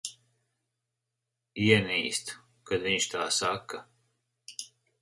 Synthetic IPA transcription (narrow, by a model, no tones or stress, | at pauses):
iɛniːst̪ | kad̪viɲʲt͡ʃt̪aːsakːa